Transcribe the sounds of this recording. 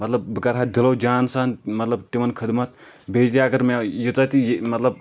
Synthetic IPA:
mɐt̪lɐbbɨkɐɾɦat̪̚d̪iloːd͡ʒaːnsaːnmɐt̪lɐb̚t̪iʋɐnkʰɨd̪mɐt̪̚ | bʱeːd͡ʒʲɐɡɐɾmejit̪ɐt̪ijmɐt̪lɐb̚

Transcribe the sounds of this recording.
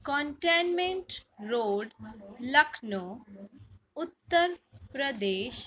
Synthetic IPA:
kɔɳʈenmẽɳʈɾoːɖlɐkʰno | ʊt̪ːəɾpɾəd̪eːʃ

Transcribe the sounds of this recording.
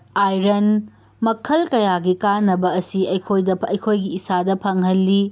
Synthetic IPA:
ajɾɐn | mɐkʰɐlkɐjaɡikanːɐbɐːsiɐjkʰojdɐɐjkʰojɡiːsadɐpʰɐŋɦɐlːi

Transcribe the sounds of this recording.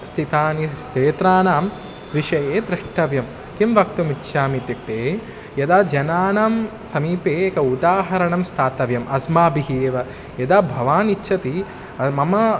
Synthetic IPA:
st̪ʰit̪aːnit͡ʃeːt̪ɾaːnaːm | ʋiʂɐjeːd̪ɾɪʂʈɐʋjɐm | kimʋɐk̚t̪umitːʃʰaːmit̪jɐk̚t̪eː | jɐd̪aːd͡ʒɐnaːnaːm | sɐmiːpeːkɐud̪aːɦɐɾɐɳɐmst̪ʰaːt̪ɐʋjɐmɐsmaːbiɦeːʋɐ | jɐd̪aːbʱɐʋaːnitːʃʰɐt̪i | ɐmɐmɐ

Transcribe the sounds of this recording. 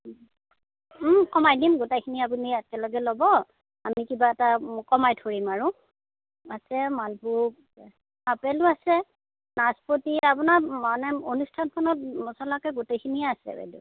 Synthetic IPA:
kɔmajdimɡutajkʰiniap̬uniakɛlɔɡɛlɔbɔ | amikibaɛtakɔmajtʰoɹimaɹʊ̃ | asɛmalbʱu | apɛlʊasɛ | naspotiapunamanɛonustʰanpʰɔnɔt̚mɔsɔlakɛɡutejkʰinijɛasɛ̰bɛ̰dṵ

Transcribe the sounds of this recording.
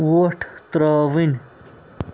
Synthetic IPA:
woʈʰt̪ɾaːʋin

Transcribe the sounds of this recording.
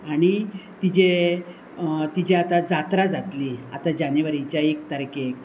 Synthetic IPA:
aɽ̃it̪id͡ʑe | t̪id͡ʑeat̪ad͡zat̪ɾad͡zat̪liːa̰t̪ad͡ʑaneʋəɾit͡ɕjaek̚t̪əɾke

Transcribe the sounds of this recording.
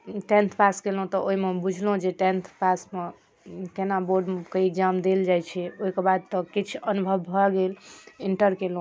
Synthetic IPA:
ʈẽnt̪ʰpaskelɦũt̪ɔʔoɦimebud͡ʒʱlɦũd͡ʒeʈent̪ʰpasme | kenaboɾɖkeekzamd̪eld͡ʒajt͡ʃʰɛoɦikebad̪̚t̪ɔkit͡ʃʰənubʱəbːʱɔɡeliɳʈəɾkelɦũ

